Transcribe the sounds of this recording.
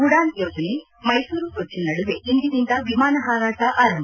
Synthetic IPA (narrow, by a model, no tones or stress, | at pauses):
ɡuɽaːnjoːd͡ʒɐne | mɐjsuːɾusot͡ʃːinɐɽiʋeind̪id̪ind̪ɐʋimaːnɐɦaːɾaːʈɐʔaːɾɐmbʱ